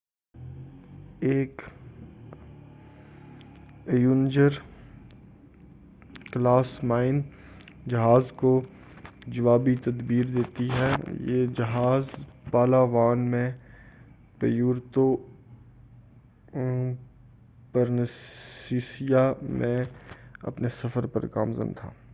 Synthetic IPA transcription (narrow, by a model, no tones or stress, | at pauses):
eːk | juːnd͡ʒəɾ | klaːsmaːɪn | d͡ʒɐɦaːzko | d͡ʒɐʋaːbit̪ɐd̪biːɾd̪eːt̪iɦɛːjḛːd͡ʒɐɦaːzpaːlaːʋaːnmẽ | pḛjuːɾt̪o | pəɾnsiːsijamẽɐ̰pnesɐfəɾpɐ̰ɾka̰ːmzə̰nt̪ʰa̰ː